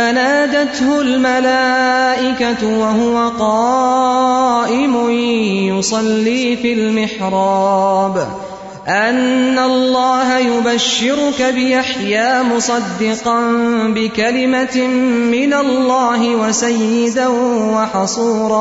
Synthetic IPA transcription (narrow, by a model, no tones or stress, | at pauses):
anaːd̪at̪hʊlmalaːʔɪkat̪ʊwaɦʊwaqɑː | ʔɪmʊjʊsˤɑlːiːfilmɪħɾˤɑːb | ʔanːalˤːɑːɦajʊbaʃːɪɾʊkabɪʔaħjaːmʊsˤɑd̪ːɪqɑnbɪkalɪmaː | ɪnalːɑːɦɪwasajːɪd̪awɑħɑsˤuːɾˤɑː